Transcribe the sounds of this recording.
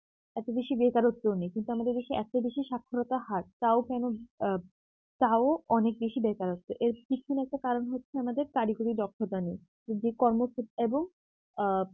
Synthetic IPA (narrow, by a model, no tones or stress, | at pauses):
ɛt̪obeʃibekaɾot̪ːonejkint̪uamad̪eɾbeʃiʔɛ̰t̪obeʃiʃakʰːoɾot̪aɦaɾt̪aokɛno | t̪aoɔnek̚beʃibekaɾot̪ːoʔeɾbikʰːonɛk̚ʈakaɾonɦotːɕʰeamad̪eɾk̪aɾikoɾidɔkʰːot̪anej | d͡ʑed͡ʑekɔɾmokʰeeboŋ